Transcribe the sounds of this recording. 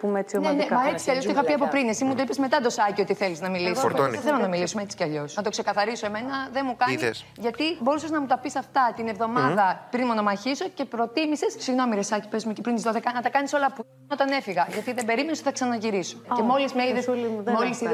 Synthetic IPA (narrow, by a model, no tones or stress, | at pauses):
pumet͡sionenemɐet͡si̥ceɐʎosoixɐpiɐpopɾinesimut̪oipezme̞t̪ɐd̪o̞sɐcio̞t̪iθe̞liznɐmiliseθelonɐmilisumeet͡si̥cɐʎo̞snɐt̪o̞kse̞kɐθɐɾiso̞eme̞nɐðenmukɐnisʝɐt̪ibo̞ɾusɐznɐmut̪ɐpisɐft̪ɐt̪ine̞vðo̞mɐðɐpɾinmonomɐçiso̞ce̞pɾo̞t̪imisessiɣno̞miɾesɐci̥pezmucepɾint̪izðoðekɐnɐt̪ɐkɐniso̞lɐpu | ot̪ɐne̞fiɣɐʝɐt̪iðebe̞ɾimenost̪iθɐksɐnɐʝiɾisocemo̞lizmeiðesmolis